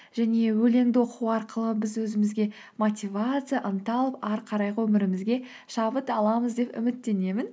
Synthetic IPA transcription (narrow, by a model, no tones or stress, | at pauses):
ʒ̥æne̞wɵle̞ŋd̪ɪwo̞quwɑɾqəlˠəbɪzwɵzɪmɪzɡʲe̞ | mot̪ʲivat̪sɨjaʔənt̪ɑlˠəpɑɾqʰɑɾɑjʁəwɵmɪɾɪmɪzɡʲe̞ | ʃɑbət̪ɑlˠɑməzd̪e̞pʏ̰mɪt̪ːe̞ne̞mɪn